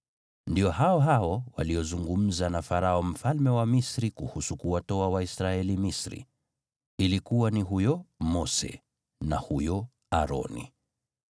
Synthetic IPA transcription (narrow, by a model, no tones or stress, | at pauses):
ndiɔɦaɔɦaɔwa̰liɔzuŋɡum̩zanafaɾaɔm̩falmɛwamisɾikuhusukuwatɔawaisɾaɛlimisɾḭ | ilikuwaniɦujɔmɔsɛ̰ | nahujɔ | aɾɔ̰nḭ